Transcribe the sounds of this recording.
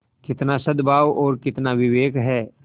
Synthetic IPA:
kɪt̪nasɐd̪bʱaːwɔːɾkɪt̪naʋɪʋeːkɦɛː

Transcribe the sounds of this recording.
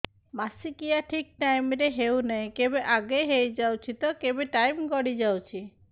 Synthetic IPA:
masikijaʈʰik̚ʈajmɾeɦewnaɦĩkebeʔaɡeɦejd͡ʒawt͡ʃʰit̪ɔkebeʈajmɡɔɽid͡ʒawt͡ʃʰi

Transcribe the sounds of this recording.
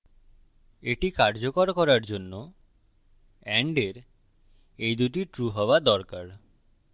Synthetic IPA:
eʈikaɾd͡ʑokoɾkɔɾaɾd͡ʑonːo | ɛɳɖeɾ | ejd̪uʈiʈɾuɦɔoad̪ɔɾkaɾ

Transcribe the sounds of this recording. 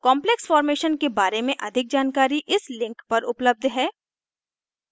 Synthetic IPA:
kɔ̃ːmpleksfɔːɾmeːʃənkebaːɾemẽʔɐd̪ʱɪk̚d͡ʒaːnkaːɾiʔɪslɪ̃ŋkpɐɾʊpləb̚d̪ʱɦɛː

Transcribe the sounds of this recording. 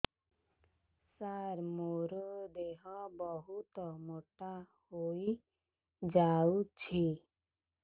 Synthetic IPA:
saɾmoɾɔd̪eɦɔbɔɦut̪ɔmoʈa | hoj | d͡ʒawt͡ʃʰi

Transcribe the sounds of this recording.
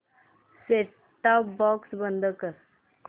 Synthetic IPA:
seː | ʈapbɔːksbə̃nd̪əkəɾ

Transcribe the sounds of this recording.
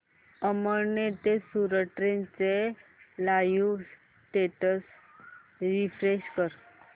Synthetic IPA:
əməɾnet̪esuɾəʈɾẽnt͡selajus | ʈeʈəs | ɾifɾeɕkəɾ

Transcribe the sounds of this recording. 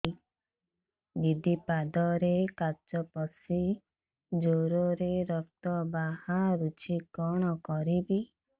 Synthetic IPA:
bid̪ipad̪ɔɾekaɾt͡ʃɔpɔsi | d͡ʒoɾoɾeɾɔkt̪ɔbahaɾut͡ʃʰikɔɽ̃ɔkɔɾibi

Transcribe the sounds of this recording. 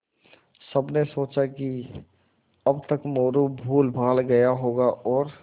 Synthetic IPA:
səbnesoːt͡ʃaki | əbt̪əkmoːɾubʱuːlbʱaːlɡəjaɦoːɡaʔɔːɾ

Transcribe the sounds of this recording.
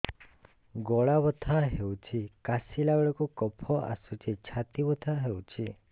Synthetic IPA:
ɡɔɭaʋət̪ʰaɦeũt͡ʃʰikasilaɡɭɔkokɔpʰɔʔa̰sut͡ʃʰet͡ʃʰat̪iʋət̪ʰaɦeũt͡ʃʰi

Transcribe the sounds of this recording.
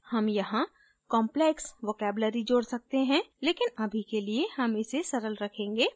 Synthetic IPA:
hɐmjɐɦã | kɔ̃ːmpleksʋoːkɛːbləɾid͡ʒoːɽsɐk̚t̪eɦɛ̃leːkɪnɐbʱikeliehɐmɪsesɐɾəlɾɐkʰẽːŋɡeː

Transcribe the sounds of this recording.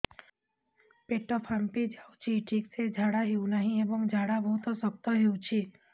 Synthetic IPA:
peʈɔpʰampid͡ʒawt͡ʃʰiʈʰiksed͡ʒʱaɽaɦeunaɦĩebɔŋkd͡ʒʱaɽabʱəɦut̪ɔsək̚t̪ɔɦeũt͡ʃʰi

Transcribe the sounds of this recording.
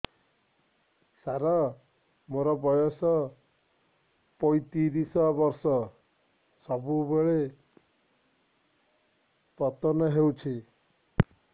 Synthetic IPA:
saɾɔ | moɾɔbɔjɔsɔ | pɔjt̪iɾisɔbɔɾsɔ | sɔbubeɭe | pɔt̪ɔnɔɦewt͡ʃʰi

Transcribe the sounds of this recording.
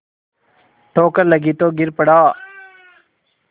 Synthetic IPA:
ʈʰoːkəɾləɡiːt̪oːɡɪɾpəɽaː

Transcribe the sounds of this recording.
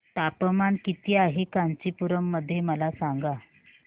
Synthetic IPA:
t̪apəmankit̪iːaɦekaɲt͡ɕipuɾəmːəd̪ʱːjeməlasaŋɡa

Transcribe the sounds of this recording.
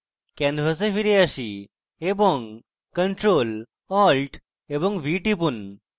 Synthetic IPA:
kɛnʋəs̬efiɾeəɕi | eboŋɡ | kəɳʈɾol | ɔlʈ | ebɔ̃ŋɡʋiʈipun

